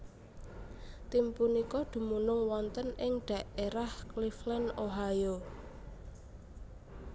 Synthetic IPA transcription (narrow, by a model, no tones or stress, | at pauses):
t̪impunikɔd̪̥ṳmunʊŋwɔnt̪ənɪŋɖ̥ä̤ʔeɾahkliflɛnoɦajo